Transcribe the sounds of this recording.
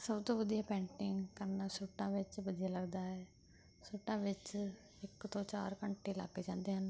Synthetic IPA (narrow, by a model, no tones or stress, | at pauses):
səbt̪õːʋəd̪ijaːpɛ̃ːɳʈɪŋɡkəɾnaːsuʈãːʋɪt͡ʃʋəd̪ɪjaːləɡd̪aːɦɛː | suːʈãːʋɪt͡ʃ | ɪkt̪õːt͡ʃa̰ːɾkəɳʈeːla̰ːɡːeːd͡ʒãːnd̪eːɦən